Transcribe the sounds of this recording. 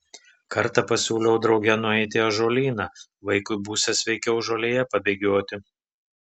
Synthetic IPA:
kɐɾt̪ɐpɐsʲuːlʲɛʊd̪ɾɒʊɡʲɛnʊɛɪt̪ʲɪɐʒoːlʲiːnɑ | ʋɐɪkʊɪbuːsʲɛsʲʋʲɛɪkʲɛʊʒoːlʲeːjɛpɐbʲeːɡʲoːt̪ʲɪ

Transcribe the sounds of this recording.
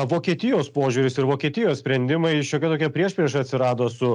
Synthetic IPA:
ʋoːkʲiɛt̪ʲɪjoːspoːʒʲuɾʲɪsɪɾʋoːkʲiɛt̪ʲɪjoːssʲpʲɾʲɛnʲd̪ʲɪmɐɪʃʲoːkʲɛt̪oːkʲiɛpʲɾʲiɛʃpʲɾʲiɛʃɐɐt̪ʲsʲɪɾɑːd̪oːsʊ

